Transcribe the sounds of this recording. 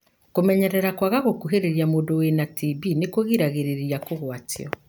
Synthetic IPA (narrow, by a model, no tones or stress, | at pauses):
komɛɲɛɾɛɾakwaɣaɣokuɦeɾeɾjamoːndowenatʰibinekoɣiɾaɣeɾeɾijakoɣwatiɔ